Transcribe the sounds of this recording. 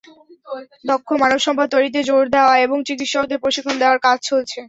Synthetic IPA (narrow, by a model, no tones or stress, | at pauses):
d̪okʰːomanobʃɔŋbʰʱad̪̚t̪ojɾit̪̬ed͡ʑoɾd̪eoaeboŋt͡ɕikit̪ʃɔt̪epɾoʃikʰːond̪eoaɾkad͡ʑt͡ɕolt͡ɕʰe